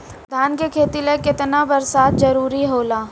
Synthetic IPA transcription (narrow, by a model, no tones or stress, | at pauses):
d̪ʱaːnkekʰeːt̪ilekɪt̪nabɐɾsaːt̪ʰzɐɾuːɾiɦoːlaː